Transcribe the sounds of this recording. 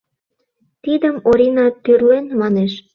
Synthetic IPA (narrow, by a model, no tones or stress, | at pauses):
t̪id̪əmoɾinɑt̪ːyrlenmɑneʃ